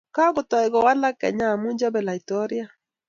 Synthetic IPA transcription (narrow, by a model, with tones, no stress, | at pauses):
ka˦ɣʊ˨tɔ˨ɛ˨ɣɔ˨wa˦la˦kɛ̰˨ɲa˦˨mu˦ɲd͡ʒɔ˦bɛ˨la˨i˨tɔ˦ɾja˦